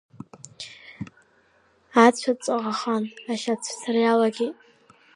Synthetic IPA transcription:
at͡ɕʷʰat͡sʼaʁaχanaʃat͡sʷʰsarjalaɡʲi

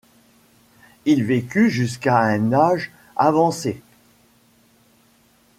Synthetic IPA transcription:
ilvekʲyʒys̬kaɛ̃naʒ | avɑ̃se

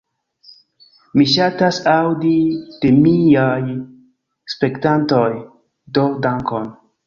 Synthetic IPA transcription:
miʃatasawdid̥e̞miaj | spe̞ktantoj | dodaŋkon

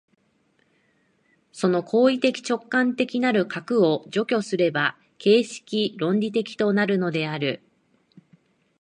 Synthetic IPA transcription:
so̞no̞kʰo̞ːit̪e̞kʲi̥t͡ɕo̞kːãnt̪e̞kʲinaɾɯ̟kʰakɯ̟o̞d͡ʑo̞kʲo̞sɨɾe̞ba | ke̞ːɕi̥kʲiɾõ̞ɲɾʲit̪e̞kʲi̥t̪o̞naɾɯ̟no̞d̪e̞aɾɯ̟

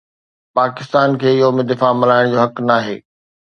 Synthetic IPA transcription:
paːkɪst̪aːnkʰeːɪjɦomẽd̪ɪfamɪlaːɪɽ̃d͡ʑoːɦɐknaːɦḛː

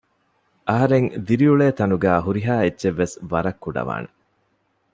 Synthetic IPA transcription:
ʔɐɦɐɾeŋd̪iɾiuɭeːt̪ɐnuɡæːɦuɾiɦaːetːʃeʋːesʋɐɾɐkːuɖɐ̰ʋa̰ːne

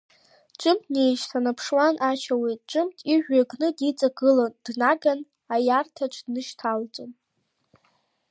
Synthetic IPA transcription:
ʈ͡ʂʷʼɨmtʰnejʃsʰanapʰʂwanʔat͡ʃʰawejtʼʈ͡ʂʷʼɨmtʰiʒʷᶣaɡnɨdit͡sʼaɡɨland̥naɡan | ajartʰaʈ͡ʂʷʰdnɨʃtʰalt͡sʷʼan

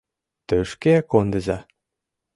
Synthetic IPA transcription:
t̪øʃkeækond̪ə̆zɑ

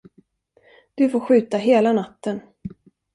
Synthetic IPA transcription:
d̪̥ɵfoːɧʉ̟ːt̪aɦeːlanat̪ːən

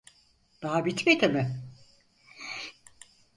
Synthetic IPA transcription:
d̪̥aɦabit̪met̪emɪ

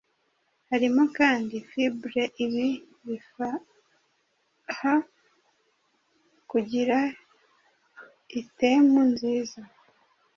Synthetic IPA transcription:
haɾimokaːndifibɾeʔiβi | βifa | ha | kuɟiɾa | itemunziːza

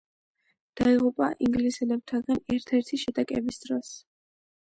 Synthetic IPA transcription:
d̪̥aiʁupʼaʔiŋɡlisɛlɛb̚t̪ʰaɡanɛɾt̪ʰɛɾt̪ʰiʃɛd̪akʼɛbisd̪ɾɔs

